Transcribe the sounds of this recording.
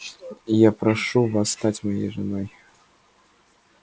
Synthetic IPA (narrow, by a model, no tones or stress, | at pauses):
ijapɾaʂuvasːt̪at͡sʲmajḛjʐɨnɔj